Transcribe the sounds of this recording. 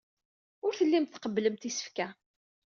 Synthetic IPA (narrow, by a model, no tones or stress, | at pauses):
ʊɾθəlːimt̪θqəbːləmt̪isə̥fkæ